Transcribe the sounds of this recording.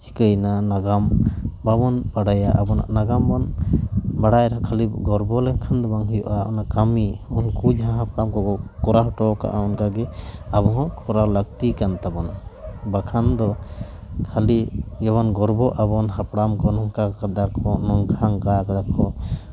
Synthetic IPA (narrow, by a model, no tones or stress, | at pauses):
t͡ʃʰi̥kəjnanaɡambabɔnbaɽajaʔabɔna̰ʔnaɡambɔn | baɽajɾɔ̃kʰaliɡɔɾbɔlɛŋkʰand̪ɔbaŋɦujɔ̰ʔaɔnakamiunkud͡ʒɦãɦapɽamkɔɡɔkɔɾaɦɔʈɔka̰ʔaɔnkaɡɛaβɔɦɔkʰɔɾaləɡ̚t̪ikant̪abɔnbakʰand̪ɔ | kʰaliɡɛβɔnɡɔɾbɔʔabɔnɦapɽamkɔnɔŋkakad̪aɾkʰɔnɔŋkʰaŋkakad̪akʰɔ